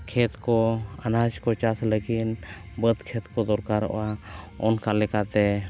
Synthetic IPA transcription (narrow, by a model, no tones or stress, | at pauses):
kʰɛt̪kɔanad͡ʒkɔt͡ʃat̪ʰləɡin | bəd̪kʰet̪kɔd̪ɔɾkaɾɔ̰ʔa | ɔnkalɛkat̪ɛ